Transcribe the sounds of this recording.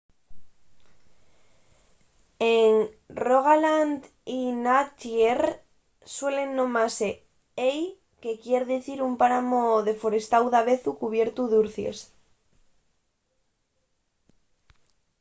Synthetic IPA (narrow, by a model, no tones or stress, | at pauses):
eŋroɣ̞aland̪ | inat͡ʃer | swe̞le̞nːõ̞mase | ej | ke̞kjeɾðiθiɾumpaɾamoðe̞foɾe̞st̪awðaβeθukuβje̞ɾt̪uðuɾθjḛs